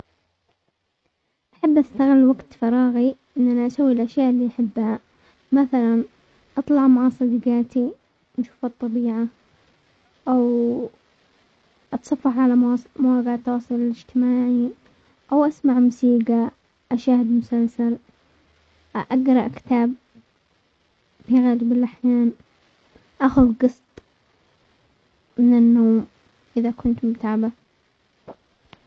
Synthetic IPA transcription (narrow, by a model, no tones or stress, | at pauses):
ʔaħɪbːʔast̪aɣɪlːwaɡt̪fɑɾˤɑːɣiʔɪnːʔanaʔasawːilʔaʃjaːʔlːiːʔaħɪbːha | maθalan | ʔɑt̪ˤlɑʕmaʕɑsˤɑd̪iɡɑːt̪i | nʃu̥ːfɑt̪ˤːɑbiːʕa | ʔaw | ʔɑt̪sˤɑfːɑħʕalamwaːɡaʕt̪ːwɑːsˤɨlɪlɪd͡ʒt̪ɪmaːʕi | ʔawʔasmaʕmʊsiːɡa | ʔaʃaːhɪd̪mʊsalsal | ʔaʔaɡɾˤɑʔkɪ̥t̪aːb̚ | fiɣaːlbɪlʔaħjaːn | ʔaxʊðɡɨsˤt̪ˤ | mɪnɪnːoːm | ʔɪðakʊnt̪mʊt̪ʕaba